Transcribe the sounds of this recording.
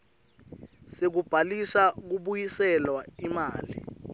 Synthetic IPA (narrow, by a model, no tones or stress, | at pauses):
sek̬ub̥ʱalisak̬uɓujisɛlwaimaːlḭ